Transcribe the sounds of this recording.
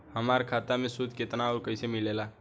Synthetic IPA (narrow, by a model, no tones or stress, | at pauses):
həmaɾkʰat̪amẽsud̪ʱket̪naɔɾkəɪsemilela